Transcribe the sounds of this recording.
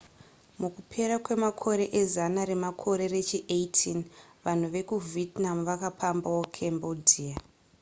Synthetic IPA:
mukupʰe̞ɾakwe̞makʰo̞ɾe̞ʔezanaɾe̞makʰo̞ɾe̞re̞t͡ʃiʔejtʰinʋan̤uʋe̞kuvitnamʋakapambawokʰembodiːa

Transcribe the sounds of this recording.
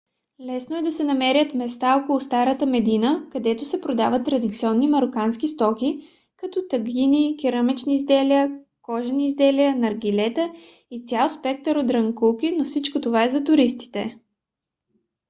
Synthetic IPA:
lɛsnoɛd̪ɐsɛnɐmɛɾʲjət̪mɛst̪aɔkolˠust̪aɾət̪əmɛd̪inəkɐd̪ɛt̪osɛpɾod̪avət̪ːɾɐd̪it̪siɔnːimɐɾokanskist̪ɔkʲi | kɐt̪ɔt̪əɡinikʲiɾəmɛt͡ʃniːzd̪ɛliə | kɔʒəniːzd̪ɛliənɐɾɡilɛt̪ə | it̪sʲjalˠspɛk̚t̪əɾod̪ɾɐŋkulˠkinofsit͡ʃkot̪ovaɛzɐt̪ʊɾist̪i̥t̪ɛ

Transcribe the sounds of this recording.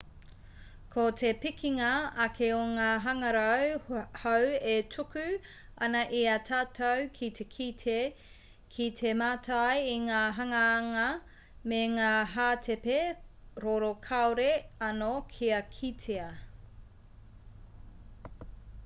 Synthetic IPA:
kʰotʰepikiŋɐɐkʰeoŋaːɦɐŋɐɾɐwhɐwetʰukʉ | ɐnɐʔiɐtʰaːtʰɐwkʰit̪ʰekʰitʰe | kʰit̪ʰemaːtʰajiŋaːɦɐŋɐːŋɐ | meŋaːɦaːtʰepeɾoɾokʰɐoɾeɐnokʰiɐkʰitʰeɐ

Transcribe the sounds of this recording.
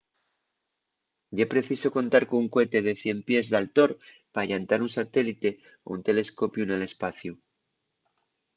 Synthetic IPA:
ɟ͡ʝepɾe̞θiso̞ko̞nt̪aɾkouŋkwe̞t̪e̞ð̞e̞θje̞mpje̞zðalt̪o̞ɾ | paːʎant̪aɾunsat̪e̞lit̪e̞ | oṵnt̪e̞le̞sko̞pjune̞le̞spaθju

